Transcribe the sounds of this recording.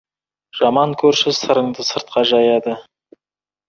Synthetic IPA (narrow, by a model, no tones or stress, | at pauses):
ʒ̥ɑmɑŋkʲʰɵɾʃɪsəɾəɴd̪əsəɾt̪̚qɑʒɑjɑd̪ə